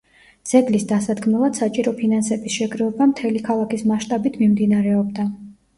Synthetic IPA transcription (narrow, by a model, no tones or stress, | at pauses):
d̪z̥ɛɡlisd̪asad̪ɡmɛlˠad̪̥sat͡ʃʼiɾɔpʰinansɛbisʃɛɡɾɛlbamt̪ʰɛlikʰalˠakʰismaʃt̪ʼabit̪ʰmimd̪inaɾɛɔbd̪a